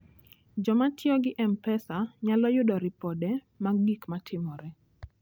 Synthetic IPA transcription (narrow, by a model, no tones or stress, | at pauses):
d͡ʒɔmatjɔɡɪʔɛmpɛsaɲalɔjʊdɔɾɪpɔdɛ | maɡikmatʰɪmɔɾɛ